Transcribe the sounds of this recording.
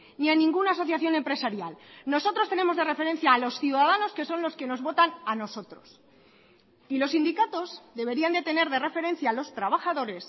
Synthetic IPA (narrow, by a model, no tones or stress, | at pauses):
nianĩŋɡunaːs̬o̞θjaθjo̞ne̞mpɾe̞saɾjalno̞so̞t̪ɾo̞st̪e̞ne̞moðe̞re̞fe̞ɾe̞n̟θjaːlo̞sθjuðaðano̞ske̞so̞nlo̞ske̞no̞zβo̞t̪anano̞so̞t̪ɾo̞s | ilo̞sːind̪ikat̪o̞zðe̞βe̞ɾiand̪e̞t̪e̞ne̞ɾðe̞re̞fe̞ɾẽ̞n̟θjaːlo̞st̪ɾaβaxaðo̞ɾe̞s